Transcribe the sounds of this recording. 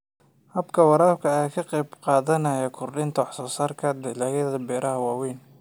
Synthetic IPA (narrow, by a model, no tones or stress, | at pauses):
hɐbkʰɐwɑɾaːlkʰɐjaːkʰɐqɛjbqɑːðɐnɐjɐkʰʊrɖɪnt̪ʰɐwɑħsɔːsaːrkʰɐd̪ɪlaːjɐðɐbɛːɾʔɐɦɐwɑːwɛːn